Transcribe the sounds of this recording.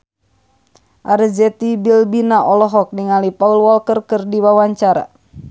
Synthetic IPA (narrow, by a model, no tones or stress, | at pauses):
ʔaɾd͡ʒɛt̪ibilbinaʔɔlɔɦɔk̚niŋalipaulwɔlkərkərdiwawaɲt͡ʃaɾa̰